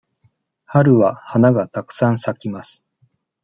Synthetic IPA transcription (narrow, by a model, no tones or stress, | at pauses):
haɾɯ̟βahanaɡat̪akɯ̟̥sãɰ̃sakʲimasɨ̥